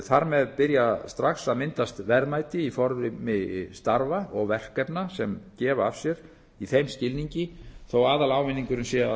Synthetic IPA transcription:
θaɾmɛðpɪɾjast̪ɾaxsaðmɪnt̪ast̪vɛɾmajt̪ɪifɔɾðʏmɪst̪aɾvaɔɣvɛr̥kɛpnasɛmcɛːvav̥sjɛɾ̥ | iθejmscɪlniɲcɪθowaːðalaːwvɪnːiŋkʏɾʏnsɛa

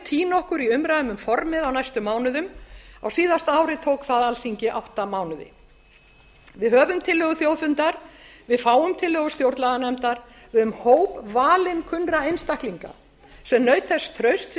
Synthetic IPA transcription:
t̪ʰiːnɔhkʏɾiʏmɾajðʏmʏmfɔɾmɪðawnajst̪ʏmːaːwnʏðʏma̰wsiːðast̪aːwɾɪt̪ʰowkθaðalθiɲcɪʔawht̪amaːwnʏðɪ̰ | vɪðhœːvʏmt̪ʰɪlːœːɣʏθjoːwθʏnt̪aɾvɪðfaːwʏmt̪ʰɪlːœːɣʏst̪jowɾt̪laðanɛmt̪aɾ | vɪðʏmhoːwpvaːlɪnkʰʏnɾaejnst̪ahk̪liŋka̰ | sɛmnœːɥt̪θɛsːt̪ʰɾœɥst̪

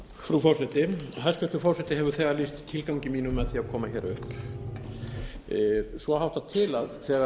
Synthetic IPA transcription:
fɾufɔrsɛht̪ɪɦajskcʏht̪ʏfɔɾ̥sɛt̪ɪɦɛvʏɾθɛːɣaɾlist̪t̪ʰɪlkawɲcɪmiːnʏmɛððθiakʰɔːmaçɛɾʏhp | svɔhawht̪at̪ʰɪlaðθɛːɣa

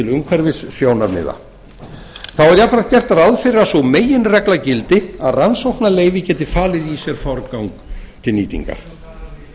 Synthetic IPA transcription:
ɪlʏmkʰvɛɾvɪsfjoːwnaɾmɪ̰ːða̰ | θawɛɾjafɾḁt̪cɛr̥t̪aðaðfɪɾasɔmeːjɪnrɛklacɪlt̪ɪaðransowhknaleːjvɪcɛːt̪ɪfaːlɪðisjɛɾ̥fɔɾkawŋkt̪ʰɪlniːt̪ḭŋka̰ɾ̥

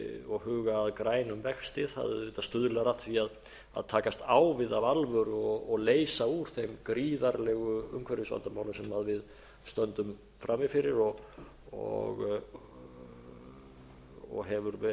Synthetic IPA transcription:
ɔɣhʏːɣaːðkɾaːjnʏmvɛxst̪ɪðha̰ðʏːt̪ast̪ʏðlaɾat̪θʰviað | a̰ðt̪ʰaːkast̪aːwvɪðavalvʏɾɔɔɣleːjsauɾ̥θejmkɾiːðaɾlɛɣʏʏ̰mkʰvɛɾɪsva̰nt̪amaːwlɪmsɛmaðvɪð | st̪œnt̪ʏm | fɾʔamːɪfɪɾɪɾɔɣ | ɔ̰ɣ | ɔ̰ɣɦɛvʏɾvɛ

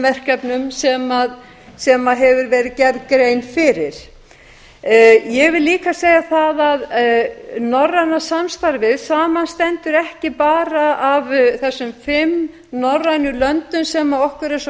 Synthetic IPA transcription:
vɛr̥kɛpnʏmsɛmað | sɛmaðɦɛvʏɾvɛːɾɪðcɛɾkɾejnfɪɾɪɾ̥ | jɛɣvɪliːkaseːjaθaðað | nɔrːanːasamst̪aɾvɪðsaːmanst̪ɛnt̪ʏɾɛhcɪpaːɾaavθɛsːʏmfɪm | nɔrːajnʏlœnt̪ʏmsɛmaɔhkʏɾɛs

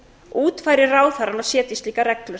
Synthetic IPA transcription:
uːt̪faːjɾɪraːwθaɾalawsjɛːt̪ist̪liːkaɾɛklœ

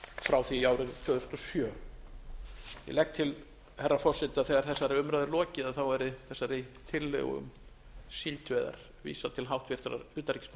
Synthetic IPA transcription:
fɾawθiːaːwɾɪnt̪ʰvœːðʏst̪ɔsjœː | jɛ̰lɛk̚t̪ʰɪl | hɛrːafɔrsɪnt̪ɪaðθɛɣaɾ̥θɛsːaɾɪʏmɾaðʏɾlɔːcɪðaðθawɛɾɪθɛsːaɾɪt̪ʰɪlːœ̰ɣʏ̰m | silt̪vɛːða̰ɾ̥ | vḭːsat̪ʰɪlɦawht̪vɪɾ̥t̪ʏɾa̰ɾʏːt̪aɾicɪ̥sm

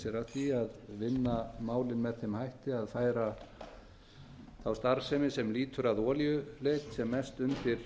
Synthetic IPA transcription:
sjɛɾaθiaðvɪnːamaːwlɪnmɛðθemhajht̪ɪaðfaːjɾa | θawst̪aɾsɛmɪsɛmliːt̪ʏɾaðɔːljʏleːjt̪sɛmːɛst̪ʏmt̪ɪɾ̥

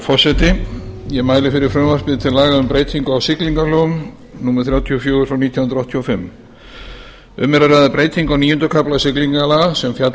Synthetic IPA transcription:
fɔ̥sɛt̪ɪjɛmaːjlɪfɪɾɪɾ̥fɾœmvaɾspɪðɪt̪ʰɪlaːɣaʏmpɾeːjt̪ʰiŋkʏawsɪkliŋkalœɣm | nuːmɛɾ̥θɾjaːwt̪ʰiɔfjoːɾʏfɾawniːt̪ʰjanɾɔht̪ʰjiɔfɪmː | ʏmːɛɾaraðapɾeːjt̪ʰiŋkawniːjʏnt̪ʏkʰaplasɪkliŋkalaɣasɛmfjat̪

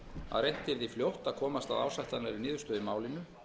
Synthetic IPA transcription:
a̰ðrejn̥t̪ɪɾðifljowht̪aðkʰɔːmast̪a̰ða̰ːwsajht̪anaɾinɪːðʏ̥st̪œːðɪmaːwlɪnʏ

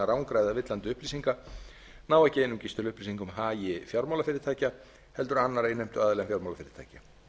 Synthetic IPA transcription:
aɾawŋkɾajðavɪt̪lant̪ʏʏhpliːsiŋka | naːwɛhcɪejnʏmcɪst̪ʏlʏhplisiŋkʏmɦaːjɪfjawɾmawlafɪɾɪɾt̪ʰaːca | hɛlt̪̬ʏɾanːaɾejnːejm̥t̪ʏaðlɛmfjaɾmawlafɪːɾɪ̥t̪ʰa̰ːca

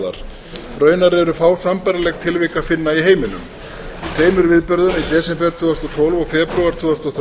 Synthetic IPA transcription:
ða̰ɾ̥ | rœːɥnaɾɛɾʏfaːwsampajɾalɛɣt̪ʰɪlvɪkafɪnːaiɦeːjmɪnʏ̰m | it̪ʰveːjmʏɾvɪðpʏɾðʏnait̪ɛːsɛpɛɾt̪ʰuːðast̪ɔt̪ʰowlvɔɣfɛːpɾuaɾ̥t̪ʰvuːast̪ɔθ

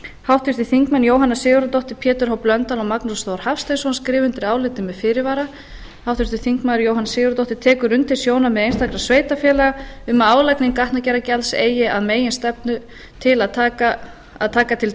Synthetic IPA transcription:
hawht̪vɪst̪ɪθiŋkmɛnːjoːwɦanːasɪːɣʏɾat̪ɔht̪ɪpʰjɛːt̪ʏɾ̥hawplœnt̪alɔmaknusst̪oːwɾ̥hafst̪ajnsɔnskɾɪːvʏnt̪ɪɾaːwlɪt̪ɪmɛðfɪːɾɪvaːɾa | hawt̪vɪst̪ɪθiŋkmaðʏɾjowɦanasɪːɣʏɾat̪ɔht̪ɪɾ̥t̪ʰɛːkʏɾʏnt̪ʰɪlsjoːwnamɛðejnst̪akɾasveːjt̪afjɛːlaɣaʏmaːwlajknɪŋkaht̪nacɛɾacɛlsḛːjɪaðmeːjɪnst̪ɛpnʏ | t̪ʰɪlaðt̪ʰaːkaː | ðt̪ʰaːkat̪ʰɪl

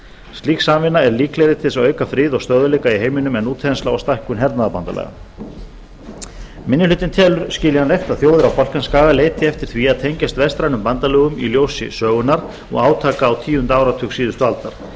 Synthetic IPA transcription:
st̪liːksaːmvɪnːaɛɾliːklɛjɾɪt̪ʰɪlsœːɥkafɾiːðɔɣst̪œðʏlejkaiɦeːjmɪnʏmɛnːuːt̪ʰɛanslawast̪ahkʏnɦɛɾt̪naðapant̪a̰lɛ̰ɣa̰ | mɪnːɪʏlʏːt̪ɪnt̪ʰɛːlʏɾ̥scɪːljɪhanejft̪aðθjoːwðɪɾawpɔl̥kanskaːɣaleːjt̪ɪɛft̪ɪɾ̥θviaðt̪ʰejɲcast̪vɛst̪ɾajnʏmpant̪alœːɣʏmḭljoːwsɪ̰sœːɣʏnaɾ | ɔ̰ɣaːwt̪ʰaːkaːwt̪ʰiːʏnt̪aːwɾat̪ʰʏksiːðʏst̪ʏalt̪aɾ̥

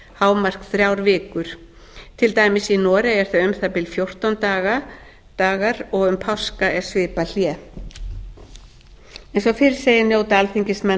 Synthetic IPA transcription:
haːwmar̥kθɾjawɾvɪːkʏɾ̥ | t̪ʰɪlt̪aːjmɪsinɔːɾaɛɾ̥θaʏmθapɪlfjowr̥t̪ant̪aːɣa | t̪aːɣaɾɔɣʏmpʰawskaɛ̥svɪːpal̥jɛː | ɛnsɔfɪɾɪɾ̥sejɪnjoːwt̪alθiɲcɪsmɛ

